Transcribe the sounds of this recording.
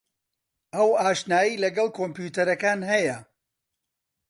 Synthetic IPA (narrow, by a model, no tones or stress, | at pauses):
ʔɐwaːʃnaːjilɐɡɐlˠkʰoːmpjuːt̪ɐɾɐkaːnhɐjɐ